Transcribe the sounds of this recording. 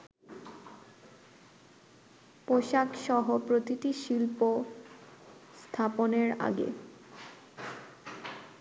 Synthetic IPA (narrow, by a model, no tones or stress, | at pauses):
poʃakʃɔɦopɾot̪it̪iʃilpo | st̪ʰaponeɾa̰ɡḛ